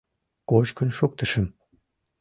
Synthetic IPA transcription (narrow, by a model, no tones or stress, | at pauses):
kot͡ɕkynʃuk̚t̪ə̆ʃə̆m